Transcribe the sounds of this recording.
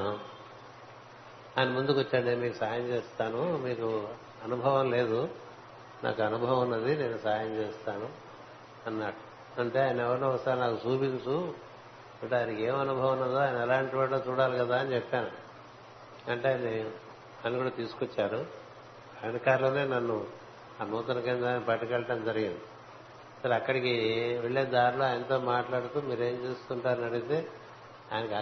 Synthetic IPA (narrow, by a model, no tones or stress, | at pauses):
aːjnɐmund̪ukʋot͡ʃːɐɳenmiːkusaːjɐmt͡ʃeːst̪aːnumiːku | ɐnubʱɐʋɐmle̞ːd̪u | nʔa̰ːkuɐnubʱɐʋɐɐnːɐd̪ine̞ːnusaːjɐmt͡ʃeːst̪aːnu | ɐnːa | ɐɳʈe̞ːaːjnɐɛʋɐɾnɐʋɐst̪aːɾnaːkusuːpint͡ʃu | ɐɳʈeɐnike̞ːmɐnubʱɐʋɐnːɐd̪oːaːjɐnɐɛlaːɳʈibaːɽoːt͡ʃuːɽaːlikɐd̪aːɐnit͡ʃɛpːaːnu | ɐɳʈeːjni | aːjnɐkuːɽaːt̪iːsu̥kot͡ʃːaːɾu | aːnɐkaːɾloːne̞ːnɐnːu | ɐnɔːt̪ɐnɐkend̪aːnipɐʈikɛɭɐʈɐmd͡ʒɐɾiɡind̪i | sɐɾiɐkːɐɽikiʋeɭːeːd̪aːɾlojɐnt̪oːmaːʈlaːɽut̪uːmiːɾe̞ːmt͡ʃeːst̪uɳʈaːɾnɐɽiɡt̪e̞ː | aːjnɐka